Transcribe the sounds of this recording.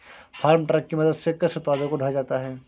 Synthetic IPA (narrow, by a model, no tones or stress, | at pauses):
fʰaːɾmʈɾɛːkːimɐd̪əd̪sekɪsʊt̪paːd̪õkoɖʱɐɽd͡ʒaːt̪aɦɛː